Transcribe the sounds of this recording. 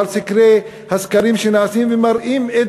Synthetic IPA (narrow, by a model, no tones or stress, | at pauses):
lsɪkɾeː | hɐskɐɾiːmʃinaːsiːnʋimɐɾiːme